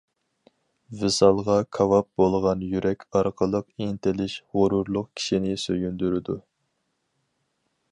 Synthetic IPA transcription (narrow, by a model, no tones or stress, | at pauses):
vɨsɑlˠʁɑkʰɑvɑp̚bolˠʁɑnjyɾʔɛkʲʰɑɾqʰəlˠəqint̪ʰɪlɪʃʁʊɾʊɾlˠʊqkʲʰi̥ʃinɪsøjynd̪yɾɪd̪u